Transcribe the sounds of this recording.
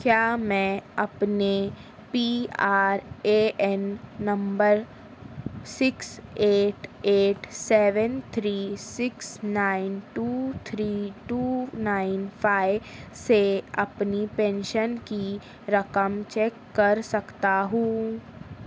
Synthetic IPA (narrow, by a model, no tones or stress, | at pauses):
kjaːmɛ̃ɐpne | piːaːɾeɛnːɐ̃mbəɾ | sɪkseːʈeːʈsɛːʋə̃nt̪ʰɾiːsɪksnaːɪnʈuːt̪ʰɾiːʈuːnaːɪnpʰaːɪʋseɐ̰pnipɛ̃ːnʃənki | ɾɐkəmt͡ʃɛːkːɐɾsɐkt̪aɦũː